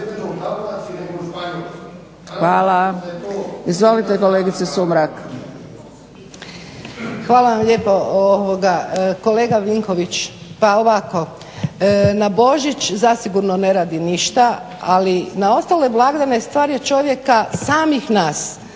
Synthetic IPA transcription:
xʋaːla | izʋolit̪ekoleːɡit̪sesumɾak | xʋaːlaʋamʎʲe̞ːpo̞oʋoɡako̞le̞ːɡaʋiŋko̞ʋit͡ʃpaoʋako̞ | nabo̞ʒit͡ʃzasiɡuɾnone̞ɾaːd̪iniʃt̪a | alinao̞st̪aleblˠaɡd̪ane̞st̪ʋaːɾjet͡ʃo̞ʋje̞kasaːmixnaːs

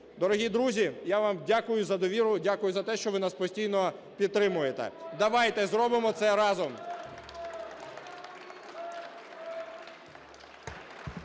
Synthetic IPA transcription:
d̪ɔɾɔɦʲid̪ɾuzʲijaʋamdʲakʊjʊzɐd̪ɔʋʲiɾʊdʲakʊjʊzɐt̪ɛʃt͡ʃɔʋɪnaspɔsʲtʲijnɔ | pʲid̪̚t̪ɾɪmʊjet̪ɛ̰d̪ɐʋɑjt̪ɛzɾɔbɪmɔt̪sɛɾɑzɔm

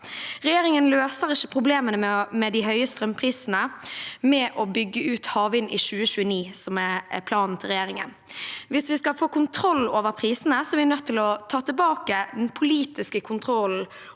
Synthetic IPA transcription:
ʁɛjeːɾɪŋənløːsəʁɪçəpʰʁʊbleːmənəmɛmɛd̪ɪɦœʏəst̪ʁɛmpʰɾiːsnəmɛʔɔbʏɡːəʉːt̪hɑːʋɪnʔɪʃʉːəɕʉːəniːsɔmɛpʰlɑːnn̩t̪ʰɪlʁɛjeːɾɪŋə̰nʋɪsʋɪskɑlfoːkʊnt̪ʰɾɔlːoːʋəɾpʰʁiːsənəsɔʋɪɛnœt̪ʰːɪlɔt̪ʰɑːt̪əbɑːkəd̪ɛnpʰʊliːt̪ɪskəkʰʊnt̪ʰɾɔl̩

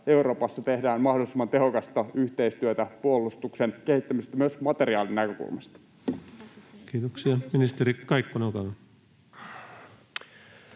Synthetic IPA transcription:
euɾo̞ːpɑsːɑt̪ehdæːnmɑhdo̞lˑisemːɑnt̪e̞ɦokɑst̪ɑyht̪eist̪yøt̪æpuolˑːust̪uksenkehit̪ːæmisest̪æmyøsmɑt̪e̞ɾiɑːlinækø̞kṵlmɑ̰st̪ɑ̥ | kiːt̪oksiɑminist̪eɾikɑikːonokɑn

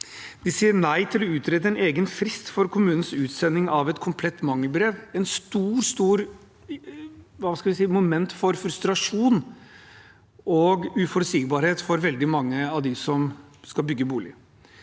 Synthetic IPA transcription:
d̪̥ɪsiːəɾnæɪt̪ʰɪlɔʉːt̪ɾeːd̪əɛneːɡənfɾɪst̪fɔɾkʰʊmʉːnən̩sʉːt̪sɛnːɪŋɑʋɛt̪kʰʊmpʰlɛt̪ːmɑŋːəlbɾeːʋɛnst̪uːɾst̪uːɾ | ʋɑskɑlʋɪsiːmʊmɛnt̪fɔɾfɾʉst̪ɾɑʂuːn | ɔɡʉfɔɾəsiːɡ̚bɑːɾheːt̪fɔɾʋɛld̪ɪmɑŋːəɑʋd̪ɪsɔmskɑlbʏɡːəbuːlɪ

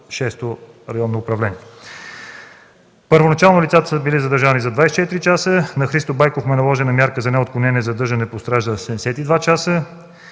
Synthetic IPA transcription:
ʃɛst̪o | ɾɐjɔnːoːpɾɐvlɛniɛ | pəɾvonɐt͡ʃalˠnʊlʲit̪sat̪ə̥səbilizɐd̪əɾʒanizɐd̪vajsɛ̥t͡ʃɛt̪ɾit͡ʃasənɐxɾist̪obajkofmɛnɐlˠɔʒɛnɐmʲjaɾkəzɐnɛot̪̚klʊnɛnɛzɐd̪ɤɾʒənɛpost̪ɾaʒd̪əsɛɛsɛt̪id̪vat͡ʃasə

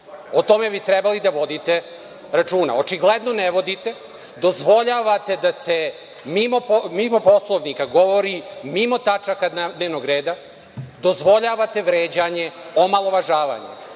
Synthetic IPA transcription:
ot̪o̞me̞bit̪ɾɛbalid̪aʋo̞d̪it̪e | ɾat͡ʃuːna̰o̞t͡ʃiɡled̪noneʋo̞d̪it̪e̞ | d̪o̞zʋo̞ʎaʋat̪e̞d̪ase | mimopomimo̞po̞slˠoʋnikaɡo̞ʋoɾimimo̞t̪at͡ʃakad̪ad̪neːʋnoɡɾeːd̪a | d̪o̞zʋo̞ʎaʋat̪e̞ʋɾeːd͡ʑaɲeomalˠo̞ʋaʒaːʋa̰ɲḛ

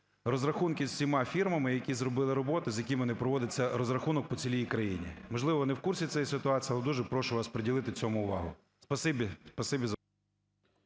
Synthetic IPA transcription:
ɾɔzɾɐxunkɪzʲsʲimɑfʲirmɐmɪjɐkʲizɾɔbɪlˠɪɾɔbɔt̪ɪzʲjɐkʲimɔnɪpɾɔʋɔd̪ɪt͡sʲːɐɾɔzɾɐxunɔk̚pɔt͡sʲilʲijikɾɐjinʲḭmɔʒlˠɪʋɔnɛwkursʲit̪sɛjɛsɪt̪ʊɑt͡sʲiːɐlˠɛd̪uʒɛpɾɔʃʊʋɑspɾedʲilˠɪt̪ɪt͡sʲɔmʊʊʋɑ̰ɦʊ̰ | spɐsɪbʲispɐsɪbʲiz

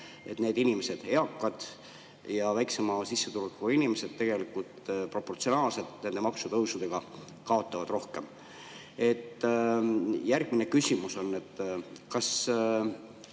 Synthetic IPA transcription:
e̞t̪ne̞ːd̪̥inime̞se̞d̪̥e̞ɑkːɑd̪̥ | jɑvæjksemɑsisːet̪ulukːuɑinimese̞d̪̥̚t̪e̞ɡ̥e̞likult̪pro̞pːo̞rt̪sio̞nɑːlse̞t̪ne̞nd̪e̞mɑksut̪ɤwsud̪̥e̞ɡ̥ɑ | kɑo̞t̪ːˑɑvɑd̪̥ro̞hke̞m | e̞t̪ː | jærɡ̥̚mine̞kysʲimuso̞nːe̞t̪ːkɑs

